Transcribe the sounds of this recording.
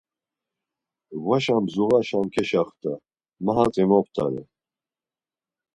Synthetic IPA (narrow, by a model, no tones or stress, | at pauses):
vaʃamzuɣaʃamkʰɛʃaχt̪ʰa | maɦat͡sʼimɔp̚ʰt̪ʰʼa̰ɾɛ̰